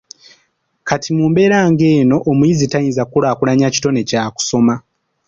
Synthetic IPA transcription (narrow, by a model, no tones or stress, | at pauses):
katʰimuːmbe̞ɾaːŋɡe̞ːno̞ʔːmuizitajiːnzakulaːkulaɲaci̥to̞ne̞caːku̥so̞ma